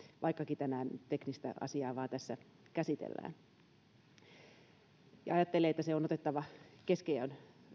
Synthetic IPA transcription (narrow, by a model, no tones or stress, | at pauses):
ʋʔɑikːɑkit̪ænæːnt̪eknist̪æ̰ʔɑ̰siɑːʋɑːt̪æsːæ | kæsit̪ḛlːæ̰ːn | jɑ̰ɑjɑt̪ːeleːet̪ːæseonot̪et̪ːɑʋɑkeskeon